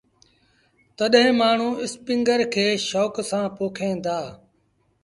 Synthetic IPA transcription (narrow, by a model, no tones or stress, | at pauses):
t̪əɗɦɪ̃maːɳ̤ũːɪspɪ̃ŋɡəɾkʰeːʃɔːksãːpoːkʰẽːnd̪aː